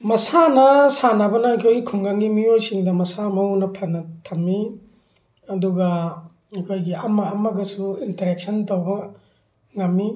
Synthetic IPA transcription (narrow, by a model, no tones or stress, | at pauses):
mɐsanɐsanabɐnɐɐjkʰojɡikʰumɡaŋɡimiojsiŋdɐmɐsamɐwnɐpʰɐnɐtʰɐmːi | ɐduɡɐ | ɐkʰojɡiɐmɐɐmɐɡɐsuintɐɾek̚sɐntowbɐ | ŋɐmːi